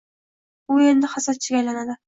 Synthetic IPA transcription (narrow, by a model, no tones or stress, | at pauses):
ʊe̞nd̪ɪhasat̪̚t͡ʃʰɪɡʲajlanad̪ɪ